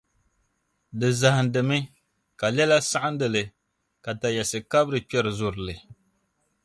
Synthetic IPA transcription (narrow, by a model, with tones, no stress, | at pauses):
dɨ˨za˨hɪ˨ndɨ˨mɨ˦ | ka˨lɛ˦la˦sa˦ʔa˦n˦dɨ˨lɨ˨ | ka˨ta˨jɛ˨sɨ˨ka˦bɾɨ˨pɛ˦ɾɨ˨zʊ˨ɾɨ˨lɨ˨